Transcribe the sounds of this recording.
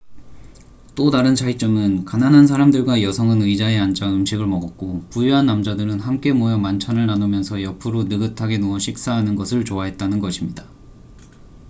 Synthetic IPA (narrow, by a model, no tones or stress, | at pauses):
t͈odaɾɯnt͡ɕʰait͡ɕ͈ʌmɯnkananɦans̬ʰaɾamdɯɭɡwajʌsʰʌŋɯnɯid͡ʑaeand͡ʑaɯmɕʰiɡɯɭmʌɡʌk̚k͈opujuɦanːamd͡ʑadɯɾɯnɦamk͈e̞mojʌmant͡ɕʰanɯɭnanomjʌnsʰʌjʌpʰɯɾonɯɡɯtʰaɡenoʌɕʰik̚s͈aɦanɯnɡʌsʰɯɭt͡ɕoaɦe̞t̚t͈anɯnɡʌɕʰimɲidḁ